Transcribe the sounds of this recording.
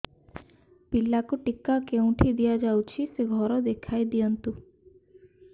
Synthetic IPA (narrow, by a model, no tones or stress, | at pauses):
pilːakuʈikːakew̃ʈʰid̪ijad͡ʒawt͡ʃʰiseɡʱɔɾɔd̪ekʰajd̪ijɔnt̪u